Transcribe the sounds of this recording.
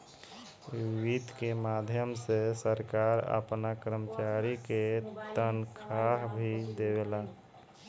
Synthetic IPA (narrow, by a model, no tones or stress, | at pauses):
ʋit̪kemad̪ʱjəmsesəɾkaɾə̰pnakɾəmət͡ʃaɾiket̪ənkʰaɦbʱid̪ewela